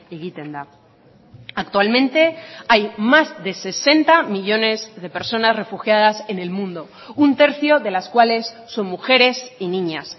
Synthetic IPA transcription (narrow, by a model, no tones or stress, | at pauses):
iɣit̪end̪a | ak̚t̪ualmẽ̞nt̪e̞ajmazðe̞se̞se̞nt̪amiʎo̞ne̞zðe̞pe̞ɾso̞nasre̞fuxjaðase̞ne̞lmũnd̪o̞ | unt̪e̞ɾθjo̞ðe̞laskwale̞sːo̞nmuxe̞ɾe̞sinĩɲas